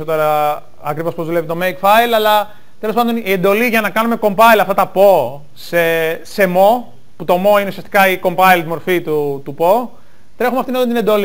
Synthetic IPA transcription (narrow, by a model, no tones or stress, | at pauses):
ot̪oɾɐ | ɐkɾivo̞spo̞zðule̞vit̪o̞me̞jkfɐjlɐlɐ | t̪elospɐnd̪o̞nie̞nd̪o̞liʝɐnɐkɐnume̞ko̞mpɐilɐft̪ɐt̪ɐpo̞ | sese̞mo̞ | put̪o̞mo̞ineusiɐst̪ikɐiko̞mpɐilt̪mo̞ɾfit̪ut̪upo̞ | t̪ɾe̞xumeɐft̪inot̪ɐnt̪ine̞nd̪o̞li